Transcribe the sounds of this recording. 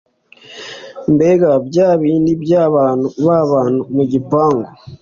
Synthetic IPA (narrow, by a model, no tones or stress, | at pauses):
mbeɡabɟaːβiːndibjaːβaːnuβaβaːnumuɟipaːŋɡo